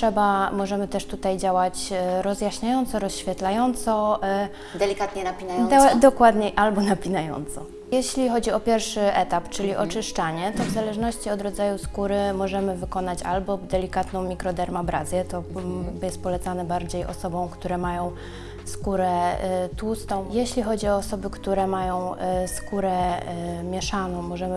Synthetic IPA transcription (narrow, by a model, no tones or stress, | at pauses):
ʂɛbamɔʐɛmɘt̪ɛʂt̪ut̪ajd͡ʑawat͡ɕɾɔzʲjaɕɲajɔnt̪sɔɾɔsɕfʲjɛt̪lajɔnt̪sɔ | d̪ɛlʲikat̪ɲɛnapʲinaj̪d̪ɔkwad̪ɲɛʔalbɔnapʲinajɔ̰nt̪sɔ | jɛɕlʲixɔd͡ʑiɔpʲjɛɾfʂɘʔɛt̪apt͡ʂɘlʲiʔɔt͡ʂɘʂt͡ʂaɲɛt̪ɔvzalɛʐnɔɕt͡ɕiɔd̪ɾɔd̪zajuskuɾɘmɔʐɛmɘvɘkɔnat͡ɕa̰lbɔd̪ɛlʲikat̪nɔ̃w̃mʲikɾɔd̪ɛɾmabɾazʲjɛt̪ɔjɛst̪̚pɔlɛt̪sanɛbaɾd͡ʑejɔ̰sɔbɔ̃w̃kt̪uɾɛmajɔ̃w̃ | skuɾɛt̪ust̪ɔ̃w̃jeɕlʲixɔd͡ʑiɔːsɔbɘkt̪uɾɛmajɔ̃w̃skuɾɛ | mʲjɛʂanɔ̃w̃mːɔʐɛmɘ